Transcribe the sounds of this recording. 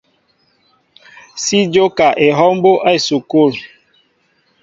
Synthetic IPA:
si˦d͡ʒo˦ka˨ʔe˨ɦɔ˦m˦bo˦ʔa˦i˨su˨ko˦˨ɾ

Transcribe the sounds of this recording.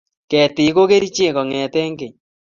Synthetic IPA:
kɛ˨tɪ˨˦ko˦ke˦ɾi˦t͡ʃe˦˨kɔ˨ŋɛ˨tɛ˦ŋɡe˨ɲ

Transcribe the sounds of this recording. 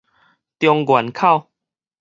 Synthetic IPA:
t̪jɔ˧ŋɡwa˨˩˦nkʰa˥˨w

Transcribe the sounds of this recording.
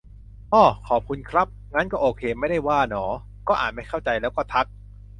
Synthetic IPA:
ʔɔː˧˩kʰɔː˨˩p̚kʰu˧nkʰɾa˦˥p̚ŋa˦˥nkɔː˥˩ʔoː˧kʰeː˧ma˥˩jda˥˩jwaː˥˩nɔː˩˦ | kɔː˥˩ʔaː˨˩ma˥˩jkʰa˥˩wt͡ɕa˧jlɛː˦˥wkɔː˥˩t̪ʰa˦˥k̚

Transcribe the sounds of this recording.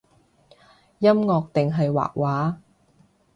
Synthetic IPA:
jɐ˥mŋɔː˧k̚t̪ɪ˨ŋɦɐ˨jwa̰ː˨˩k̚waː˨˥

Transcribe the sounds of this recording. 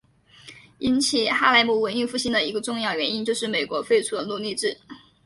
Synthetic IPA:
i˥nt͡ɕʰi˨˩xa˥la˥ɪmu˥˩wə˧˥ɪny˥˧fu˥˩ɕi˥nd̪ə˨i˧˥ɡə˧ʈ͡ʂʊ˥˧ŋjɑ˥˩ʊɥɛ˧˥ni˥nt͡ɕjo˥˧ʊʂɻ̩˥˩me˨˩ɪkwɔ˧˥fe˥˧ɪʈ͡ʂʰu˥d̪ə˨lu˥˧li˥˧ʈ͡ʂɻ̩˥˩

